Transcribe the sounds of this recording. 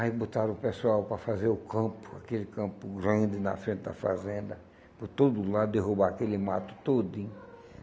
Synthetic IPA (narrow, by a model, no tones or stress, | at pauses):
ajbot̪aɾ̃ʊpesuawpɾɐfazeɾʊkʰɐ̃pʊ̥akelɪkɐ̃pʊɡɾɐ̃d͡ʒɪnɐ̰fɾẽnt̪ɪd̪ɐ̰fa̰zẽnd̪ɐ | poɾt̪od̪ʊlad̪ʊd̪eɦubaakelɪmat̪ʊ̥t̪od̪ʊẽ